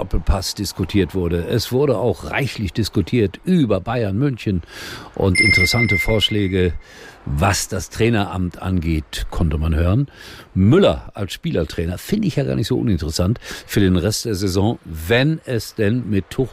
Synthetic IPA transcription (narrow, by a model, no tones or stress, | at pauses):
ɔpl̩pʰasd̥ɪskutʰiːɐtv̥ʊɐɾəʔɛsv̥ʊɐɾəa̰ʊxʁa̰ɪçlɪçd̥ɪskutʰiːɐtʔyːbɐbaɪɐnmʏnçənʔʊ̰ntʔɪntəʁɛsantəfoːɐʃlɛːɡə | vasd̥astʁ̥ɛːnɐʔa̰mtʰʔa̰nɡeːtkʰɔntəmanhøːʁənmʏlɐ̰ʔalsʃpiːlɐtʁ̥ɛːnɐfɪndəɪçjaːɡa̰ːɐnɪçtz̥o̰ʔʊnɪntəʁəsantfyːɐdeːnʁɛstd̥eːɐzɛzɔ̃ːvɛnɛsd̥ɛnmɪtʰːʊχ